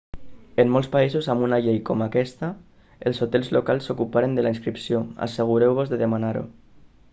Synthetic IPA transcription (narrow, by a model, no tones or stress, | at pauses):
emːolˠspaizuzamunaʎejkɔmakɛst̪a | elˠzot̪ɛlˠzlokalˠsːokupaɾend̪əlainskɾipsioa̰seɣ̞uɾewβ̞ozðeðemanaɾo̰